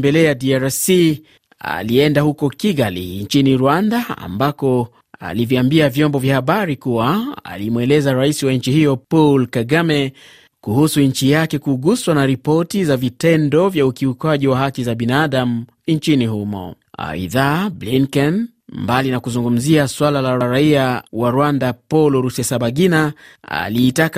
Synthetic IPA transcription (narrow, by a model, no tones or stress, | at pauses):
mbɛlɛadiaɾasi | a̰liɛndahukɔkiɡalḭɲt͡ʃiniɾwandaa̰mbakɔ | a̰livjiambiavjɔmbɔvjahaɓaɾikuwaa̰limwɛlɛzaɾaisiwaɲ̩t͡ʃihijɔpɔlkaɡamɛ | kuhusuɲ̩t͡ʃijakɛkuɡuswanaɾipɔtizavitɛndɔvjaukiukwaʄiwaɦakizaɓinaaɗam̩ | ɲt͡ʃinihumɔ̰ | a̰ḭðabliŋkɛn | mbalinakuzuŋɡum̩ziaswalalaɾaɾaiawaɾwandapɔlɔɾusɛsaɓaɡinaa̰liːtak